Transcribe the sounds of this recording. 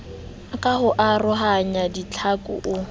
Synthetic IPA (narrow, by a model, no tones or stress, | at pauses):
akʼahʊʔarʊɦaɲadit͡ɬʰakʼʊ̰ʔʊ